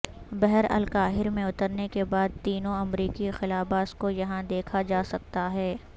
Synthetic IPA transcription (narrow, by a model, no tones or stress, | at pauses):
bɛɦɛɾɐ̰lkaːɦɪɾmẽʊt̪əɾnekebaːd̪̚t̪iːnõɐmɾiːkixɪlaːbaːskojɐɦãd̪eːkʰad͡ʒaːsɐk̚t̪aɦɛː